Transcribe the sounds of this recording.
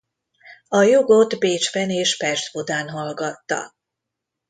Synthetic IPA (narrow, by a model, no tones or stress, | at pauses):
ɒjo̞ɡot̪beːt͡ʃbɛneːʃpɛʃt̪ʋod̪aːnɦɒlɡɒt̪ːɒ̰